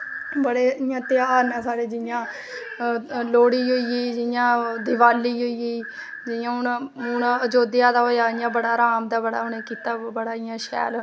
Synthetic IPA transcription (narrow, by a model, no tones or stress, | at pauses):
bəɽeːjãːt̪ɪjaːɾnɛ̃ːsaːɾeːd͡ʒɪjãː | loːɽiːɦoiiːd͡ʒɪjãːd̪ɪʋaːliːɦoiiː | d͡ʒɪjãːɦʊɳɦʊnəd͡ʒoːd̪ɪjaːd̪aːɦoːjaːɪjãːbəɽaːɾaːmd̪aːbəɽa̰ːʊnẽːkiːt̪aːbəɽaːɪjãːʃɛ̰ːl